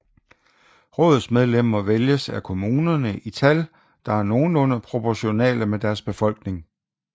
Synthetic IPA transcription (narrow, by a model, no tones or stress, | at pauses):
ʁɔ̰ːð̩ˠsmeð̞ˠlem̰ɐʋeljəsækʰo̝muːnɐnəʔit͡sʰæl | d̥ɑ̈æɐno̝ːn̩ɔ̽nɐpʰʁo̝pʰɒɕo̝nɛ̰ːləmed̥æɐsb̥e̝fɒ̽l̰ɡ̥ne̝ŋ